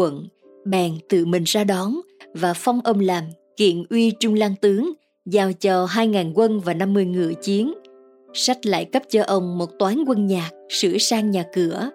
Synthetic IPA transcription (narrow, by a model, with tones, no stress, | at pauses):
ə̰˧˨n | ɓɛː˨˩nt̪ɨ̰˧˨mï˨˩ŋ̟zaː˧ɗɔ˨˦nvaː˨˩fɔ˧wŋ͡mʔə˧wŋ͡mlaː˨˩m | kḭ˧˨ənʔwi˧t͡ɕʊ˧ŋ͡mlaː˧ŋt̪ɨ˨˦əŋ | zaː˧˩wt͡ɕɔ˨˩ɦaː˧jŋaː˨˩nkwə˧nvaː˨˩na˧mːɨ˧əjŋɨ̰˧˩ət͡ɕi˨˦ən | sa˦˥k̚la̰ː˧˨jkə˦˥p̚t͡ɕɔ˧ʔə˧wŋ͡mmo˨˩t̚t̪waː˨˦nkwə˧nɲaː˨˩k̚sɨ̰˧˩əsaː˧ŋɲaː˨˩kɨ˧˩ə